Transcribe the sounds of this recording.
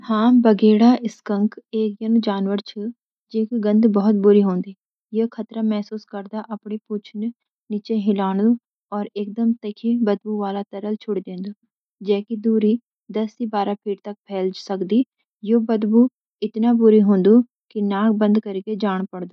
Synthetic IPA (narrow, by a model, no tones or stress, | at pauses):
hãːbəɡeːɽaːɪskəŋkeːkjənũːd͡ʒaːnʋəɾt͡ʃʰə | d͡ʒeːkiɡə̃nd̪bɔːt̪̚bʊɾiːɦõːnd̪iː | jeːkʰət̪ɾaːmɛːsuːskəɾd̪aːʔəpɳeːpʊt͡ʃʰn | niːt͡ʃeːɦɪlaːɳd̪uː | ɔːɾɪk̚d̪əmt̪əkʰiːbəd̪buːʋaːlaːt̪əɾəlt͡ʃʰʊɽd̪ẽːnd̪uː | d͡ʒɛːkid̪uːɾiː | d̪əsiːbaːɾaːpʰɪʈt̪ək̚pʰɛːld͡ʒsəkd̪iː | joːbəd̪buː | ɪt̪naːbʊɾiːɦʊ̃ːnd̪uː | kɪnaːk̚bə̃nd̪kəɾked͡ʒaːɽ̃pəɽd̪oː